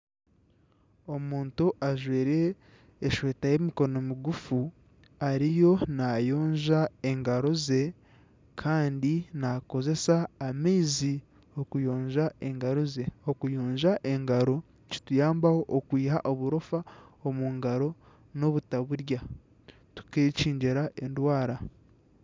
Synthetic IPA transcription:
o̞muːntuʔaʒweːɾe̞ː | ʃweːtaje̞miko̞no̞miɡufu | aɾijo̞najo̞ːɲʒae̞ŋɡaɾo̞ze̞ | kʰaːndinako̞ze̞saːmeːzi | okujo̞ːɲʒaʔe̞ŋɡaɾoze̞okujo̞ːɲʒaʔe̞ŋɡaɾo̞ | ci̥tujaːmbaho̞ʔokwiːɦaʔoβuɾo̞faomuŋɡaɾo̞ | no̞βutaβuɾja | tu̥keciːɲɟeɾaʔe̞ndwaːɾa

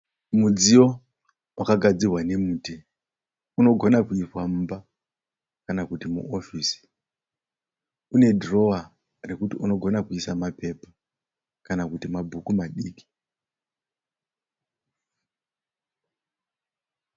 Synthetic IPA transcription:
mud͡zio̞ | wʔakaɡʱad͡zirwane̞muːti | uno̞ɡʱo̞nakuiswam̩ːba | kanakutimṵʔofiːsi̥ | une̞dro̞a | re̞kutiuno̞ɡʱo̞nakuisamape̞pa | kanakutimabʱukumaɗiːki̥

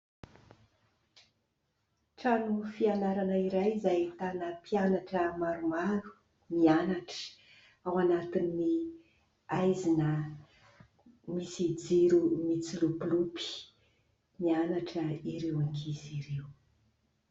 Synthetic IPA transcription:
ʈ͡ʂanufianaɾanəiɾajzajt̪anəpianaʈ͡ʂəmaɾumaɾu̥ | mianaʈ͡ʂə̥ | awanat̪inːi | ajzinə | misid͡ziɾumit͡silupulupi̥ | mianaʈ͡ʂəiɾewaŋkʰiziɾew

